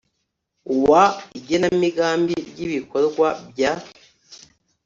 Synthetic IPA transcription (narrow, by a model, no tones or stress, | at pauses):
uwaiɟenamiɡaːmbiɾjiβiko̞ɾɡwab̚ja